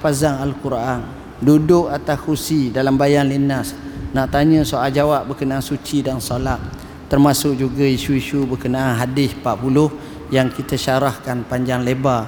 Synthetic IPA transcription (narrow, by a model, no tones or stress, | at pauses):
pazaŋalkuɾʔan | dudʊk̚at̪askusidalambajanlinasnaʔt̪aɲə̃soʔald͡ʒawaʔbəkənaansut͡ʃidansolat̪̚ | t̪ərmasʊk̚d͡ʒuɡaiʃuiʃubəkənaːnɦadɪspaʔpulʊh | jaŋkit̪aʃaɾahkanpaɲd͡ʒaŋleba